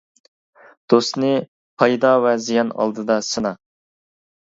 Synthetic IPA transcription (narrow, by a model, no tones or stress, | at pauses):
d̪̥ost̪nɨ | pʰɑjd̪ɑwɛzijɑnɑ̰lˠd̪ɨd̪ɑsɨnɑ